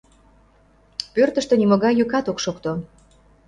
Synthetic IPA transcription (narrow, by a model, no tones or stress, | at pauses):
pørt̪ə̆ʃt̪ə̆nimoɣɑjːykɑt̪okʃokt̪o